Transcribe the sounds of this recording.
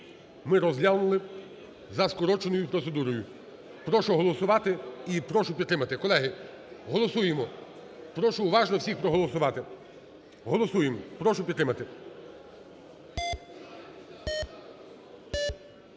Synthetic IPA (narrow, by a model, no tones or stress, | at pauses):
mɪɾɔzʲlʲalnʊlˠɪ | zɐskɔɾɔt͡ʃenɔjʊpɾɔt̪se̞d̪uɾɔjʊ | pɾɔʃʊɦɔlˠɔsʊʋɑt̪ɪipɾɔʃʊpʲid̪t̪ːɾɪmɐt̪ɪkɔlˠɛɦɪ | ɦɔlˠɔsujemɔ | pɾɔʃʊːʋɑʒnɔwsʲixpɾɔɦɔlˠɔsʊʋɑt̪ɪ | ɦɔlˠɔsujempɾɔʃʊpʲid̪t̪ːɾɪmɐt̪ɪ